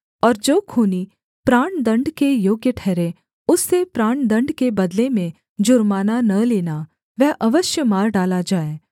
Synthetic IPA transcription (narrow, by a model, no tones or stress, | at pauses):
ɔːɾd͡ʒoːkʰuːni | pɾaːɳd̪ɐ̃ɳɖkejoːɡjəʈʰɛːɾẽ | ʊsːepɾaːɳd̪ɐ̃ɳɖkebɐd̪lemẽ | d͡ʒʊɾmaːnanɐleːna | ʋɛɦʔɐʋəʃjəmaːɾɖaːlad͡ʒaːeː